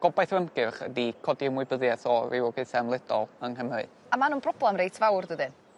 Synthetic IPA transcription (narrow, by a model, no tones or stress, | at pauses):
ɡ̥ɔbajθrəmɡɨrχə̰dikʰɔdiəmwʊɨbəðjɛθɔrɪwɔɡɨθɛmlˠɪd̥ɔlˠəŋɦəmɨ̰ð | amanuːnpʰrɔblɛmrejtʰvawrdəðɨn